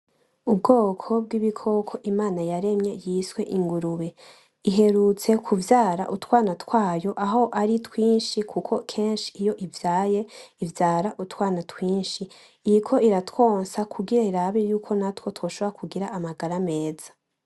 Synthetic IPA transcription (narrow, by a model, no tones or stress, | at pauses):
ubɡo̞ːkʰo̞b̚ɡiβikʰo̞kʰo̞ʔimaːnajaɾe̞mɲe̞jiːswe̞ʔiŋɡuɾuβe̞ | iɦe̞ɾut͡se̞kʰuvjaːɾa̰ʔutwaːnatwaːjo̞ʔaɦo̞ʔaɾitwiːnʃikʰukʰo̞kʰeːnʃi̥ijo̞ʔivjaːje̞ivjaːɾaʔutwaːnatwiːnʃi | iikʰo̞iɾatwo̞ːnsakʰuɡiɾaiɾaβejuːkʰo̞natwo̞two̞ːʃoβoɾakʰuɡiɾaʔːmaɡaɾame̞ːza